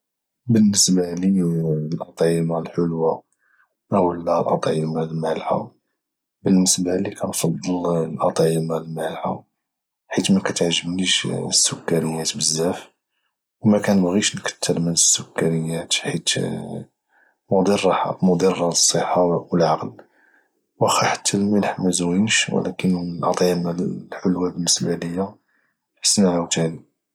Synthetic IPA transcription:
bənːəsbalilʔɑt̪ˤʕəmalħolwa | ʔəwəlːælʔɑ̰t̪ˤʕəmalmælħa̰ | bənːəsbalikʰænfɑd̪ˤːəllʔɑt̪ˤəmalmælħa̰ | ħit̪mækæt̪ʕʒːəbniʃəsːʊkːæɾəjæt̪bəzːæf | wmækænəbɣiʃnkə̥t̪ːəɾmənəsːʊkːæɾəjːæt̪ħit̪ | mʊd̪ˤiɾˤːɑħa̰mʊd̪ˤirˤːɑsˤːəħːɑwəlʕɑql | wʔæxiħḁt̪ʰːælməlħmæzwinʃwə̰lækənlʔɑ̰t̪ˤʕəmalħʊlwabənːəsbæləjːa | ħə̥sːnaʕæt̪aʕni

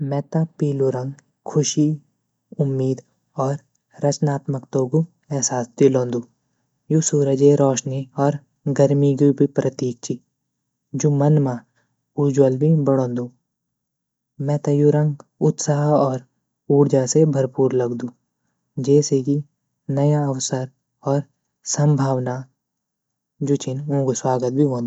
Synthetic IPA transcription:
mɛ̃ːt̪ãpiːluɾə̃ŋɡ | kʰʊʃi | ʊmːiːd̪ | ɔːɾ | ɾɐt͡ʃnaːt̪məkt̪oːɡu | ɛːsaːsd̪ilõːnd̪uː | jusuːɾəd͡ʒeɾɔːʃniɔːɾ | ɡəɾmiɡubʱipɾət̪iːk̚t͡ʃi | d͡ʒuːmɐnmã | ud͡ʒwəlbʱibɐɽ̃õːnd̪uː | mɛ̃ːt̪ɐjuɾɐ̃ŋɡʊt̪saːɦɔːɾ | uːɽd͡ʒasebʱɐɾpuːɾlɐɡd̪ũː | d͡ʒɛːseki | nɐjaɐwsəɾ | ɔːɾ | sɐ̃mbʱaːʋna | d͡ʒut͡ʃɪnũːɡuswaːɡət̪̚bʱiɦõːnd̪u

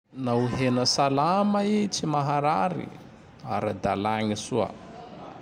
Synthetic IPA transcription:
nauɦenəsalamait͡simaɦaɾaɾḭ | aɾad̪alaŋisua̰

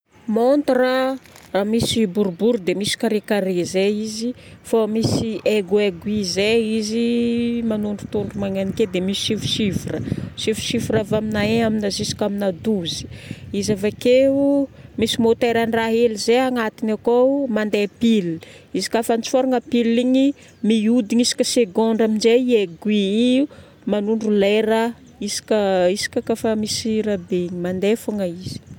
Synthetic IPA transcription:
mont̪ra | ramisibuɾbuɾd̪emisi̥kaɾekaɾezeizifomisiʔeɡueɡuizeizimanuɳɖ͡ʐut̪uɳɖ͡ʐumaŋeniked̪emisisifu̥ʃifurəʃifu̥ʃifiɾavaminaeaminazisi̥kaminad̪uzi̥izavakeumisimot̪eɾanraɦelizeaŋat̪inakomand̪epil | izi̥kafant͡soɾaŋəpiliɲi | miud̪iɲisi̥kʲəseɡɔ̃ɳɖ͡ʐamind͡ʒeieɡwii | manuɳɖ͡ʐuleɾə | isi̥kʲəisi̥kʲakafəmisiɾabeɲimand̪efaŋəiz̥i̥

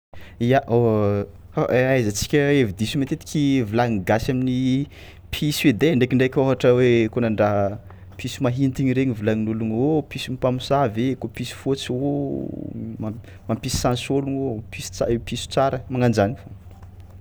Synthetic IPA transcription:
ijaʔo | aʔajzət͡si̥kʲəevid̪isumet̪et̪i̥kʲivulaŋiɡasamini | pʰised̪eɳɖ͡ʐekiɳɖ͡ʐekʲoɦaʈ͡ʂəwekonaɳɖ͡ʐa | pʰisimaɦint̪iɲiɾeɲivulaŋinuluŋopisiumpamisavekopisi̥fot͡so | ma | mapisi̥sansoluŋopist͡sa̰episu̥t͡saɾəmaŋand͡ʒanifo

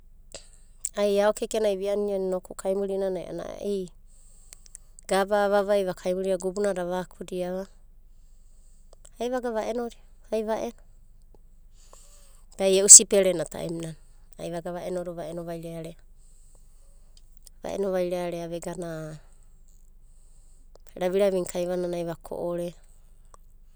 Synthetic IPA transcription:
ajaokekenajβianiannokukʰajmuɾinanaj̰ʔa̰na̰ʔij | ɡ̥abaβaβajβakʰajmuɾiɾaɡubunaɾaβakʰudiaβa | ajβaɡaβaʔenoɾi | ajβaʔeno | ɡ̥ajeʔusipeɾenata̰ʔḛminan | a̰jβaɡaβaʔenoɾoβaenoβajɾeaɾe | βa̰ʔḛnoβajɾeaɾeaβeɡana | ɾaβiɾaβiŋkʰajβananajβakʰo̰ʔoɾe

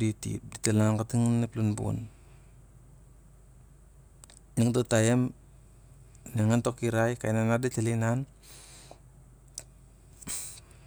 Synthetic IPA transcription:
ditḭt̚ditalaŋkatiŋneplunbṵn | niŋtotajem | neŋantokiɾajka̰jnanadetalinan

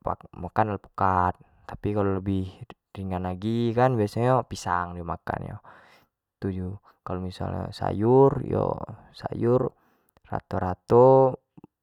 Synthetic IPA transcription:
pamakanalpu̥kat̪̚ | t̪apikalɔləbih | riŋɡanaɡikanbiasɔpisaŋdiɔmaka̰njɔ | t̪ud͡ʒu | kalɔmisa̰lɲɔsa̰jurjɔ̰ | sa̰jur | ra̰t̪ɔɾat̪ɔ

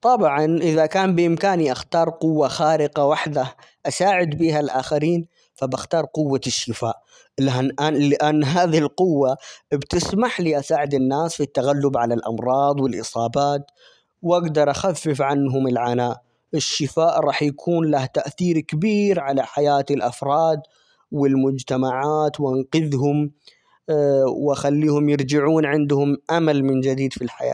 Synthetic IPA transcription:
t̪ˤɑbʕɑnʔɪðakaːmbɪʔɪmkaːniʔaxt̪ɑːɾˤqʊwːaxaːɾɪqawaħd̪aʔasaːʕɪd̪biːɦalʔaːxaɾiːn | fabaxt̪ɑːɾˤqʊwːaʃːɪfaːʔ | laʔalɪʔanːɦaːðihɪlqʊwːabt̪ɪsmaħliʔasaːʕɪd̪ɪnːaːsfit̪ːaɣalːʊbʕalalʔɑ̰mɾˤɑːd̪ˤwɪlʔɨsˤɑːbaːt̪ | wʔaɡd̪ɑɾˤʔaxafːɪfʕanɦʊmɪlʕanaːʔ | ɪʃːɪfaːʔɾˤɑːħjakʰuːnlaht̪aʔθiːɾkabiːɾʕalaħajaːt̪ɪlʔɑfɾˤɑːd̪ | wɪlmʊd͡ʒt̪amaʕaːt̪wʔanqɪðɦʊm | wɪʔaxalːiːhʊmjɪɾd͡ʒɪʕuːnʕɪnd̪hʊmʔamalmɪnd͡ʒɪd̪iːd̪filħaja̰ː

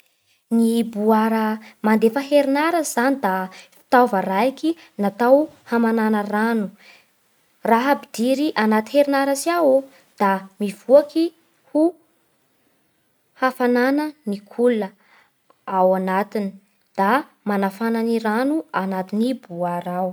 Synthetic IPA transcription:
nibuaɾəmand̪efəɦeɾinaɾəzanid̪afi̥t̪avəɾajki | nat̪awhamananəranu | raɦabid̪iɾiʔanat̪iheɾinaɾəsiawu | d̪̥amiv̥uaki | hu | hafananənikʰulə | awanat̪ini̥ | d̪̥a | manafananiɾanuanat̪inibuaɾaw

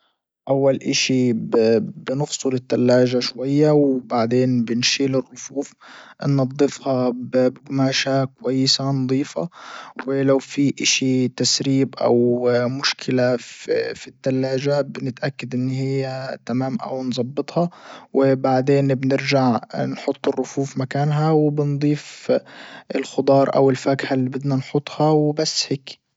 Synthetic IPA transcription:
ʔawːalʔaʃibbnʊxsˤʊlɪt̪ːalːaːʒaʃwajːawbaʕd̪eːnbɪnʃiːlɪrːʊfuːfnːɑd̪ˤːɨfhɑbbɪɡmaːʃakʊwajːɪsanɑd̪ˤiːfa̰wɪlawfiʔɪʃit̪asɾiːbʔa̰wmʊʃkʰɪlafit̪ːalːaːd͡ʒabɪnɪt̪ʔakːad̪ʔɪnːhɪjːat̪amaːmʔa̰wnzˤɑbːɨt̪ˤhɑwɪbaʕd̪eːnbnɪɾʒaʕnħʊt̪ˤːɨrːʊfuːfmakaːnɦawɪbɪnd̪ˤiːf | ɪlxʊd̪ˤɑːɾˤʔa̰wɪlfakħalːibɪd̪nanħʊt̪ˤːhɑwbasːheːk

